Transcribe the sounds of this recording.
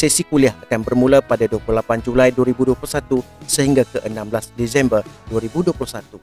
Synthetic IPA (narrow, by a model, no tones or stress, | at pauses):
sɛsikuliahakanbərmũlapadaduapluhlapand͡ʒulajduaɾibuduaplusat̪u | səɦiŋɡakəʔənãmblasdɛzɛmbərduaɾibuduapluhsat̪u